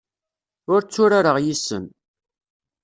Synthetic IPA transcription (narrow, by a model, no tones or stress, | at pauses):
ʊɾt͡sːʊɾaɾəʁjisə̰n